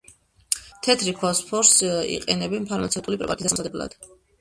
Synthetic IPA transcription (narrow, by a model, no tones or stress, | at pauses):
t̪ʰɛt̪ʰɾipʰɔspʰɔɾsḭqʼɛnɛbɛnpʰaɾmat̪sʰɛft̪ʼulipʼɾɛ̰pa̰t̪ʰissmzad̪ɛblˠa̰d̪̥